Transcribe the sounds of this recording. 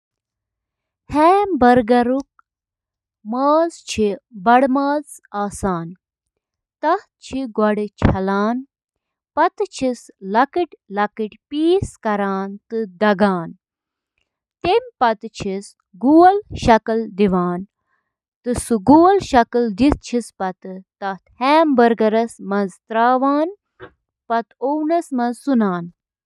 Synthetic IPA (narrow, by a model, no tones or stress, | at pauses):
heːbɐɾɡɐɾuk̚ | maːzt͡ʃʰibɐɽmaːz | aːsaːn | t̪ɐh | t͡ʃʰiɡwɐɽit͡ʃʰɐlaːn | pɐt̪t͡ʃʰislɐkiʈʲlɐkiʈʲpiːskɐɾaːnt̪ɨd̪ɐɡaːn | t̪emʲpɐt̪t͡ʃʰis | ɡuːɐlʃɐkɐld̪iʋaːn | t̪ɨsɨɡuːlʃɐkɨld̪is̚t͡ʃʰispɐt̪ɨt̪ɐht̪hɛːmbɐɾɡɐɾɐsmɐzt̪ɾaːʋaːn | pɐt̪ʰownɐsmɐzsunaːn